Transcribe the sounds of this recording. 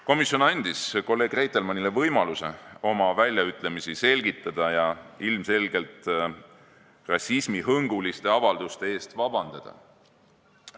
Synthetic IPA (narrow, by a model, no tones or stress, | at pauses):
ko̞misjo̞nɑnʲd̪̥isko̞lːe̞ːɡ̥re̞jt̪ːˑe̞lmɑnile̞vɤjmɑluse̞̰o̞mɑvælʲjɑyt̪ːˑle̞misise̞lɡ̥it̪ːˑɑd̪̥ɑjɑilmse̞lɡe̞lt̪ | rɑsismiɦɤŋɡ̥ulist̪e̞ɑvɑld̪̥ust̪e̞e̞ːst̪vɑb̥ɑnd̪̥ɑd̪̥ɑ̰